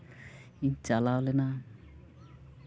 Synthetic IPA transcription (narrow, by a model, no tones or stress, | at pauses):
iɲt͡ʃalawlena